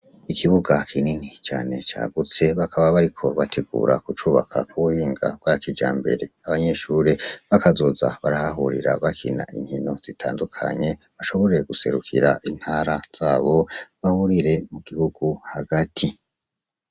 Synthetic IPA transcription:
ikiβuɡakʰininit͡ʃaːne̞t͡ʃa̰ːɡut͡se̞βakʰaβaβaɾikʰo̞βatʰe̞ɡṵːɾa̰kut͡ʃuːβa̰kʰa̰kuβuhiːŋɡa̰bɡwaːkid͡ʒa̰ːmbe̞̰ɾe̞aβaɲe̞ʃuːɾeβakazoza̰βaɾahaɦuɾḭɾa̰βakʰina̰ʔḭɲ̥hino̞z̥itʰaːndukʰa̰ɲe̞ | βaʃo̞βo̞ɾe̞ɡ̥use̞ɾukʰḭɾaʔin̥haːɾaz̥aːβo̞βahuɾiɾe̞muɡihuɡuhaɡatʰi

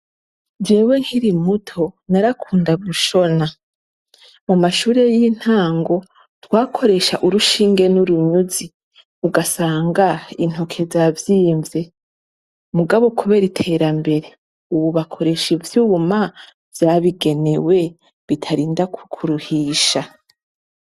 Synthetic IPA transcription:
d͡ʒe̞ːwe̞ŋ̥hiɾimutʰo̞naɾakʰuːndaβuʃo̞na | mumaʃuːɾe̞jin̥haːŋɡo̞ | twaːkʰo̞ɾe̞ʃaʔuɾuʃiːŋɡe̞nuɾuɲuzi | uɡasaːŋɡain̥ho̞kʰe̞zavjiːɱve̞ | muɡaβokuβe̞ɾitʰe̞ːɾambe̞ɾe̞ | uβuβakʰo̞ɾe̞ʃivjuβuma | vjaːβiɡe̞ne̞we̞ | βitʰaɾiːndakkʰuɾuhiːʃa

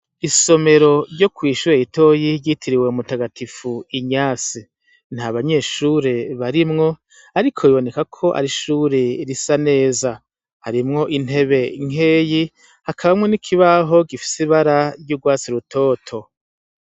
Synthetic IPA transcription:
iso̞me̞ɾo̞ɾɟo̞kwiːʃuɾeitʰo̞jiɟitʰiɾiwe̞umutaɡatifuiɲaːsi | nhaβaɲe̞ʃuːɾe̞βaɾimŋo̞ | aɾikʰo̞iβo̞ne̞kakʰo̞ʔa̰ɾiʃuːɾeɾisane̞ːza | haɾimŋo̞ʔin̥e̞βe̞ŋe̞ːji | hakʰaβamŋe̞nikʰiβaɦo̞ɡifi̥siβaɾaɾɟuɡwaːt͡siɾutʰo̞ːtʰo̞

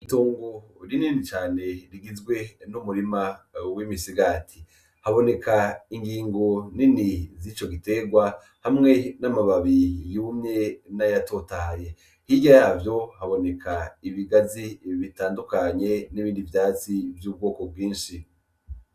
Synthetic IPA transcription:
itoːŋɡoɾininit͡ʃaːne̞ɾiɡizɡwe̞numuɾimawimisiɡaːtʰi | haβo̞ne̞kʰaiŋɡiːŋɡo̞ninizit͡ʃo̞ɡite̞ɡwa | hamŋe̞namaβaβijumɲe̞najatʰo̞taje | hiɟajaːvjo̞haβo̞ne̞kʰaiβiɡaziβitaːndukaɲe̞niβiːndivjaːt͡sivjuːb̚ɡo̞ːko̞b̚ɡwiːnʃi

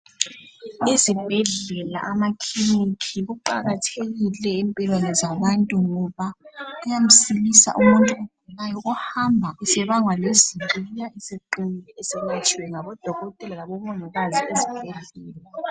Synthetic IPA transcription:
izib̥ʱɛɮɛla̰ʔamakʰinikʰiɣuǃa̰ɣatʰeɣilɛimpʼilwanɛzaβantʼuŋɔβaujam̩silisa̰ʔumuntʼuɔvulajɔʔuhambʱaʔisɛβaŋwaleziijaiseǃilɛɛsɛŋɛt͡ʃʰʼiwɛŋaβɔd̥ʱɔɣɔtʼɛlalaβɔmɔŋaɣaziezib̥ʱɛɮɛːla

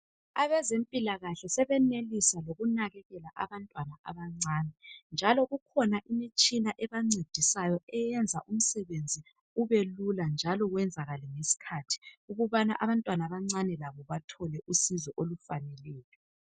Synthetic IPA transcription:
aβɛzempʼilaɣaɬɛsɛβɛnelisaloɣunaɣɛɣɛlaʔa̰βantʼwanaʔa̰βaŋ͡ǀaːnɛnd͡ʒʱalɔɣukʰɔnaʔimit͡ʃʼinaʔɛβaŋ͡ǀed̥ʱisajɔɛjɛnd͡zʱaʔum̩sɛβend͡zʱi | uβeluland͡ʒʱalɔɣwɛnd͡zʱaɣalɛŋesi̥kʰatʰi̥uɣuβanaʔaβantʼwanaβaŋ͡ǀanɛlaβɔβatʰɔlɛʔusizɔʔolufanɛlɛːjɔ

